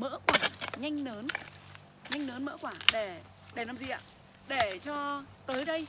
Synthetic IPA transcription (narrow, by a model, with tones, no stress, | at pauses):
mə̰ː˧˥kwaː˧˩ɲa˧jŋ̟nəː˨˦n | ɲa˧jŋ̟nəː˨˦nmə̰ː˧˥kwaː˧˩ɗe˧˩ | ɗe˧˩naː˨˩mzi˨˩ʔa̰ː˧˥ | ɗe˧˩t͡ɕɔ˧t̪əː˨˦jɗə˧j